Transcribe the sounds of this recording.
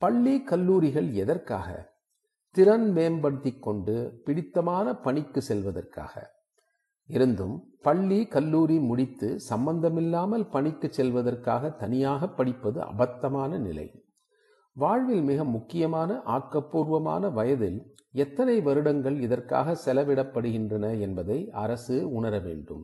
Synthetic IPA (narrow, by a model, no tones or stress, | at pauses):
pɐɭːikɐlːuːɾɪɣɐɭɛðɐrka̰ːɣɐ̰ | t̪ɪɾɐnmeːnbɐɽɯt̪ːɪkːɔɳɖɯpɪɽɪt̪ːɐmaːnɐpɐɳɪkːɯsɛlʋɐðɐ̰rka̰ːɣɐ̰ | ɪɾɯnd̪ɯ̰m | pɐɭːikɐlːuːɾimʊɽɪt̪ːɯsɐmbɐnd̪ɐmɪlːaːmɐlpɐɳɪkːɯt͡ʃsɛlʋɐðɐrkaːɣɐt̪ːɐnɪjaːɣɐpːɐɽɪpːɐðɯ̰ʔɐ̰bɐt̪ːɐmaːnɐnɪ̰lɐ̰ɪ | ʋaːɻʋɪlmɪɣɐmːʊkːɪjɐmaːnɐʔaːkːɐpːuːɾʋɐma̰ːnɐʋɐjɐðɪl | ɛt̪ːɐnɐɪʋɐɾɯɽɐŋɡɐɭɪðɐrka̰ːɣɐsɛlɐʋɪɽɐpːɐɽɯɣɪndrɐnɐɛnbɐðɐɪʔɐɾɐsɯʊɳɐɾɐʋḛːɳɖɯ̰m